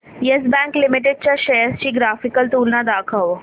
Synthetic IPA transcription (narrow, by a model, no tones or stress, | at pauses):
jɐsbɛ̃ːŋklɪmɪʈeɖ̚t͡ʃaʃɐjəst͡ʃiɡɾaːfɪkəlt̪uːlnad̪aːkʰəʋ